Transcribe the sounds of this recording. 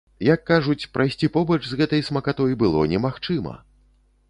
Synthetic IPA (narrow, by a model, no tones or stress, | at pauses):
jɐkːaʐut͡sʲpɾʔajsʲt͡sʲipɔbɐt͡ʂzɣɛt̪ɐjsmɐkat̪ɔjbɨlˠɔ̰nʲɛmaxt͡ʂɨmɐ̰